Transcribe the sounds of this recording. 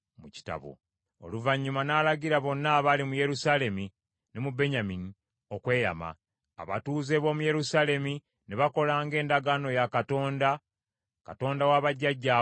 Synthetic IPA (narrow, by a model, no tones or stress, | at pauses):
muci̥ta̰βo̰ | o̰luvaɲːumanaːlaɟiɾaβo̞nːaːβalimuje̞ɾusaːle̞mi | nemube̞ɲamini | o̞kwe̞ːja̰ma̰ː | βa̰tuːze̞βo̞ːmuje̞ɾusaːle̞mi | neβako̞laːŋɡe̞ːndaɡaːno̞jakato̞ːnda | kato̞ːndawaːβaɟːaɟːa